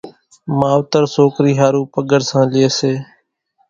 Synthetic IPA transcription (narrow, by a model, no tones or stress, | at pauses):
maːʋt̪əɾsoːkɾiːɦaːɾuːpəɠəɾsãːlɪeːseː